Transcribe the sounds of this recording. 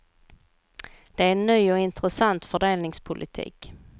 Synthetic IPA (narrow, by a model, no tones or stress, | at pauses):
d̪̥ɛæɾɛnːyːɔɪnt̪ɾəsant̪fœɖeːlnɪŋspʰʊlʔɪ̰t̪ʰḭːk